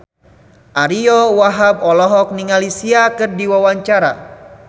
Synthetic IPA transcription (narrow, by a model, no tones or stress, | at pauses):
ʔaɾiɔwaɦab̚ɔlɔɦɔk̚niŋalisiakɨrdiwawaɲt͡ʃaɾa̰